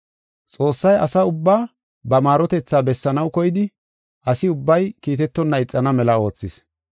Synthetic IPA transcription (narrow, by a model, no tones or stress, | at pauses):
t͡sʼo̞ːsːɐjɐsɐʊbːaː | bɐmaːɾɔt̪ɛt͡sːaːbɛsːɐnɐwkɔjɪd̪ɪ | ʔɐsɪʊbːɐjkiːt̪ɛt̪ːɔnːɐɪt͡sʼːɐnɐmɛlɐo̞ːt͡sːɪs